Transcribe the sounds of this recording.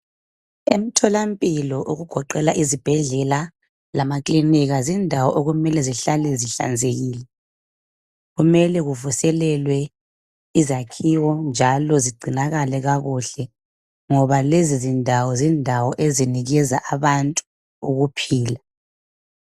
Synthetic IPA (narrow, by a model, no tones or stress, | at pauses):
em̩tʰɔlampʼilɔʔuɣuɡ̥ʱɔǃɛlaʔizib̥ʱɛɮɛla | lamakʼliniɣazindʱawɔʔoɣumɛlɛziɬalɛziɬa̰nd͡zʱeɣiːlɛ | ɣumɛlɛɣuvusɛlɛlwɛ | izakʰiwɔnd͡ʒʱalɔziɡ͡ǀʱinaɣalɛɣaɣuɬɛ | ŋɔβalezizindʱawɔzindʱawɔʔeziniɣɛzaʔaβantʼu̥ | uɣupʰiːla